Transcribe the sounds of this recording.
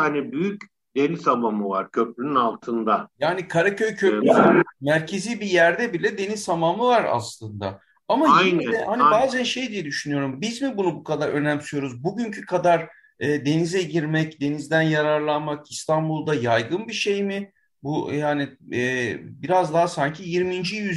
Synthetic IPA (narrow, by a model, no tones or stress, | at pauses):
anibyjyc | d̪e̞nizamamɯvaɾcʰøplʲynynalˠt̪ʰɯnd̪ajaːnikʰaɾacʰø̞jcʰøpmæɾcʰe̞ziːbijæɾd̪ɛbilʲɛd̪e̞nizt̪ʰamamɯvaɾa̰slˠɯnd̪a̰ | amanɛhanibaːzænʃe̞jd̪ijɛd̪yʃynyjo̞ɾumbizmibunubukʰad̪aɾønæmsyjo̞ɾuzbuɟyɲcʰykʰad̪aɾ | ɯːd̪e̞nizɛɟiɾmɛcd̪e̞nizd̪ænjaɾaɾlˠanmakist̪ʰanbulˠd̪ajajɡɯnbiʃejmɪ | bujaːniɛːbiɾazd̪aɦasaɲcʰijiɾmind͡ʒijyz